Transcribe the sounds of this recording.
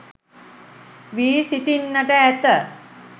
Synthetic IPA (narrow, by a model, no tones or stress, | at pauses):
ʋiːsiʈinːəʈəæt̪ə